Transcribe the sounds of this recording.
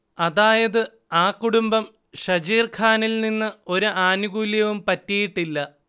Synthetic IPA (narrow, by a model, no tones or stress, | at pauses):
ɐðaːjɐðɨ | aːkːuɽumbɐm | ɕɐd͡ʑiːrkʰaːnilninːɨo̞ɾuʔaːnuɣuːljɐʋumpɐtːijiʈːilːɐ